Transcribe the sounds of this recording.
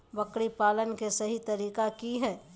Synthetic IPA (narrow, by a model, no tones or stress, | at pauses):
bɐkɽipaːlənkesɐɦit̪ɐɾiːkakiɦɛː